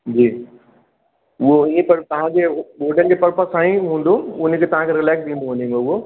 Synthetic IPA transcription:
d͡ʑiː | ʊɦoiẽpɐɾt̪ɐʋ̤ãd͡ʑeːɓoːɖʱənd͡ʑeːpɐɾpasaːĩɦũːn̆d̪oʊn̆kʰeːt̪ɐʋ̤ãkʰeɾɪlaːksɗĩːnd̪oɦnd̪iɦĩŋɡoʊɦo

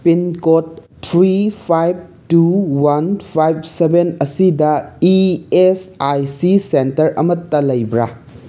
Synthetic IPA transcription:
pinkot̚ːʰ | ɾipʰajb̚tuwanpʰajb̚sebenɐsidɐiesajsisentɐɾɐ̰mɐtːɐlɐjbɾa̰

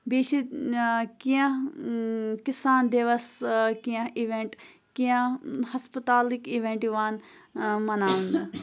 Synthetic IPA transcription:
biːʃi | kiã | kisaːnd̪eʋɐskiãiʋẽɳʈ | kijãhɐspət̪aːlikiʋẽɳʈiʋaːnmɐnaːũnd̪a

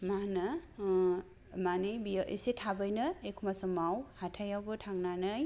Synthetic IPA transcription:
manɯ | manɯjbijaʔisetʰabɯjnɯekʰumasɯmawhatʰajawbɯtʰaŋnanɯj

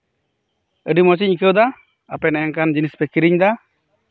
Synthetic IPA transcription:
əɖimɔt͡ʃ̬ic̚kəwd̪a | apɛnɛjaŋkand͡ʒinispɛkiɾiɲd̪a

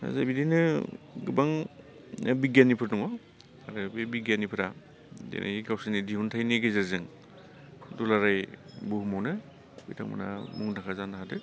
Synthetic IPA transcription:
a̰zabidinɯɡɯbaŋ | nabiɡjanːipʰɯɾnuŋɔ | aɾɯbebiɡjanːipʰɯɾa | dḛnʔa̰iɡawsanidiɦuntʰajniɡezɯɾzɯŋ | dulaɾajbuhumawnɯ | bḭjtʰaŋma̰na̰muŋnakʰazanaɦadɯ

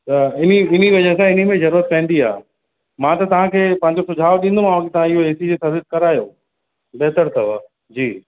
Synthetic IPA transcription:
t̪ɐɪniɪniʋɐd͡ʑəɦs̬ãɪn̤imẽzɐɾuːɾət̪̚pɛ̃ːnd̪ia̰ː | mãt̪ɐt̪ɐʋ̤ãkʰeːpɐ̃ɦɪ̃ɲd͡ʑosʊd͡ʑʱaːʋɗĩːn̆d̪ũmãːʋãkit̪ɐʋ̤ãɪɦoeːsid͡ʑesɐzɪst̪̚kɐɾaːjoː | ɓɛɦt̪əɾt̪ɐʋə | d͡ʑiː

